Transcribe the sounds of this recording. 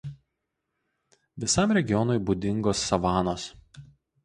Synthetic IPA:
ʋʲɪsɑˑmɾʲɛɡʲɪjɔnɔɪbud̪ʲɪŋɡoːsːɐʋɑːnoːs

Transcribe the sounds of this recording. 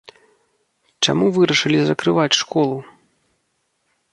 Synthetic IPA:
t͡ʂa̰muvɨɾɐʂɨlʲizɐkɾɨvat͡sʲʂkɔlˠu

